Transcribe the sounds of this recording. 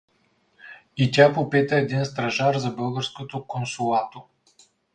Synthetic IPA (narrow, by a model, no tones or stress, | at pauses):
itʲapopit̪əɛd̪inst̪ɾɐʒaɾzɐbɤlˠɡəɾskot̪okonsʊlˠat̪o